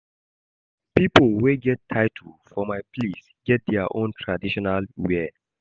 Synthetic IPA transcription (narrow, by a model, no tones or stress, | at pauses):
pipəlweɡɛtʰːaɪtʰufɔmajplis | ɡ̥ɛt̚dɛaʔõntʰɹadiʃɔnalwɛ